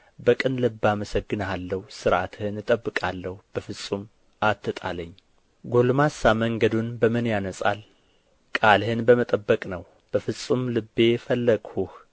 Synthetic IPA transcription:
bəkʼɨnlɨbːaməsəɡːɨnəalːəhusɨɾʔat̪ʰhɨnɨt̪ʼəbːɨkʼalːəhub̥əfɨsʼum | ʔat̪ʰːɨt̪ʼa̰ləɲː | ɡolmasaməŋɡəd̪unbəmɨnjanəsʼa̰l | kʼalhɨnbəmət̪ʼəbːəkʼnəw | b̥əfɨsʼumlɨbːe̞fəlːəɡ̥huh

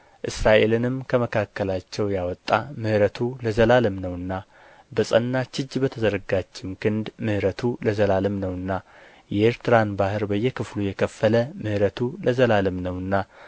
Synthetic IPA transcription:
ʔɨsɾaʔe̞lɨnɨmkʰəməkʰakːəlat͡ʃːɛwjawɔt̪ʼːamɨhɾət̪ʰuləzəlalɨmnəwɨnːa | bəsʼənːat͡ʃɪd͡ʒːbət̪ʰəzəɾɡat͡ʃːɪmkʰɨnd̪mɨhɾət̪ʰuləzəlalɨmnəwɨnːa | jɛʔeɾt̪ʰɨɾanbahɨɾbəjːɛkʰɨflujɛkʰəfːələmɨhɾət̪ʰuləzəlalɨmnəwɨnːa

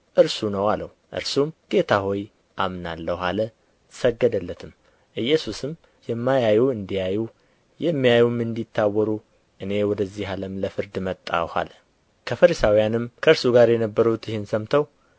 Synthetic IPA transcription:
ʔɨɾsunəwaləwuʔɨ̰ɾsumɡ̥e̞t̪ʰaho̞j | ʔamnalːəwhalə | səɡːəd̪əlːət̪ʰɨm | ʔɨjːɛsusɨm | jɛmːajajuɨnd̪ijaju | jɛmːijajumɨnd̪it̪ʰːawːɔɾu | ʔɨne̞wɔd̪əzːihaləmləfɨɾd̪mət̪ʼːa̰ha̰lə | kʰəfəɾisawijanɨmkʰəɨɾsuɡaɾjɛnəbːəɾut̪jɪhɨnsəmt̪ʰəw

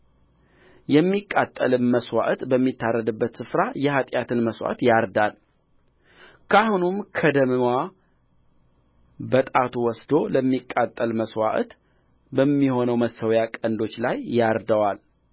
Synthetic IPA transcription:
jɛmːikʼːat̪ʼːəlɨmməswa̰ʔt̪bəmːit̪ʰːarːəd̪ɨbːət̪sɨfɾajɛhat̪ʼjat̪ʰɨnməswa̰t̪jaɾd̪al | kʰahunumkʰəd̪əmɨwa | bət̪ʼat̪ʰuwɔsd̪o̞ləmːikʼːat̪ʼːəlməswa̰ʔt̪ | bəmːiho̞nəwməsəwjakʼənd̪o̞t͡ʃːlajːaɾd̪əwal

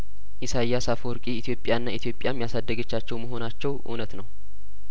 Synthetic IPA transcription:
ʔisajːasafoɾkʼiːt̪jo̞pʼjaɨnːait̪ʰijo̞pʼjamjasad̪ːəɡət͡ʃːat͡ʃːɛwməɦo̞nat͡ʃːɛwʔṵnət̪nəw

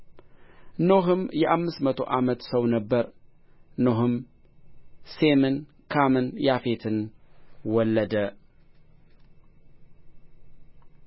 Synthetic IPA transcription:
no̞ɦɨmjɛʔamːɨst̪mət̪ʰo̞̰ʔamət̪səwnəbːəɾ | noɦɨm | se̞mɨn | kʰamɨnjafe̞t̪ʰɨnwɔlːəd̪ə

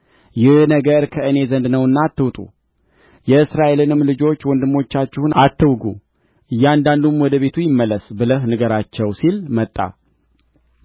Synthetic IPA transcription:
jɪhnəɡəɾkʰəʔɨne̞zənd̪nəwɨnːaːt̪ːɨwt̪ʼṵ | jɛɨsɾaʔe̞lɨnɨmlɨd͡ʒo̞t͡ʃːwɔnd̪ɨmːo̞t͡ʃːat͡ʃːɪhunat̪ʰːɨwɡṵ | ʔɨjːɛand̪and̪umwɔd̪əβe̞t̪ʰujɪmːəlːəsbɨləhnɨɡəɾat͡ʃːɛwsilmət̪ʼːa̰

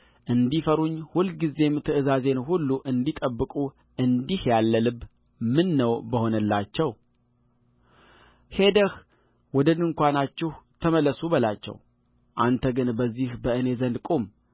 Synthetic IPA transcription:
ʔɨnd̪ifəɾuɲːhulɡize̞mt̪ʰɨʔɨzaze̞nhulːuʔɨnd̪it̪ʼəbːɨkʼu | ɨnd̪ihjalːəlɨβ | mɨnːəwbəho̞nəlːat͡ʃːɛw | he̞d̪əh | wɔd̪ənɨŋkʷanat͡ʃːɪht̪ʰəməlːəsubəlat͡ʃːɛ̰w | ʔant̪ʰəɡɨnbəzːihbəʔɨne̞zənd̪kʼum

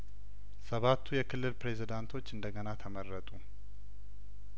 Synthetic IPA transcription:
səβat̪ʰːujɛkʰɨlːɨlpɾe̞zid̪ant̪ʰo̞t͡ʃːɨnd̪əɡənat̪ʰəmərːət̪ʼu

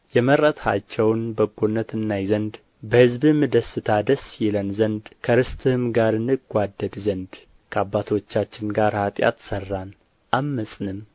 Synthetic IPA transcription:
jɛməɾət̪ʰhat͡ʃːɛwnbəɡːonːət̪ɨnːajizənd̪ | bəhɨzbɨmːɨd̪əsːɨt̪ʰad̪əsjɛlənzənd̪kʰəɾɨst̪ʰʼɨhɨmɡaɾɨnːɨɡʷad̪ːəd̪zənd̪ | kʰəabːat̪ʰo̞t͡ʃːat͡ʃːɪnɡaɾhat̪ʼja̰t̪sərːan | ʔamːəsʼnɨm

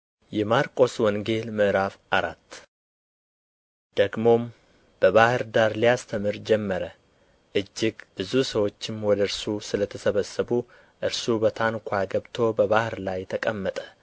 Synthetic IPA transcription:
jɛmaɾkʼo̞swɔŋɡe̞lmɨʔɾafʔaɾa̰t̪ː | d̪̥əɡmo̞m | b̥əβahɨɾd̪aɾlijast̪ʰəmɨɾd͡ʒɛmːəɾə | ʔɨd͡ʒːɪɡb̥ɨzusəwo̞t͡ʃːɪmwɔd̪əɨɾsusɨlət̪ʰəsəβəsːəβu | ʔɨɾsubət̪ʰankʷʰaɡəβt̪ʰo̞bəβahɨɾlajt̪ʰəkʼəmːət̪ʼə̥

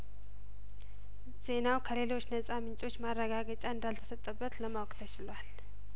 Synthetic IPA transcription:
z̥e̞nawkʰəle̞lo̞t͡ʃːnəsʼamɨnt͡ʃʼo̞t͡ʃːmarːəɡaɡət͡ʃʼaɨnd̪alt̪ʰə̥sət̪ʼːəbːət̪ləmawkʼt̪ʰət͡ʃɪlwal

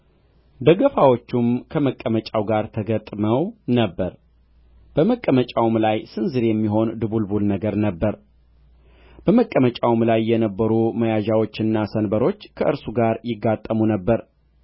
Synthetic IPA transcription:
d̪əɡəfawot͡ʃːumkʰəməkʼːəmət͡ʃʼawɡaɾt̪ʰəɡət̪ʼməwnəbːəɾ | b̥əməkʼːəmət͡ʃʼawmlajsɨnzɨɾjɛmːiɦo̞nd̪ɨβulbulnəɡəɾnəbːəɾ | b̥əməkʼːəmət͡ʃʼawmlajːɛnəbːəɾuməjaʒawo̞t͡ʃːɨnːasənbəɾo̞t͡ʃːkʰəʔɨɾsuɡaɾjɪɡːat̪ʼːəmunəbːəɾ

